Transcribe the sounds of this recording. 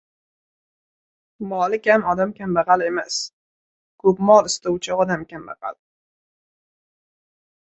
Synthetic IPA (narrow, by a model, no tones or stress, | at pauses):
mɒlɪkʲhamɒd̪amkʲʰambaʁale̞mas | kʰɵpmɒlˠɪst̪owt͡ʃʰɪɒd̪amkʲʰamba̰qa̰l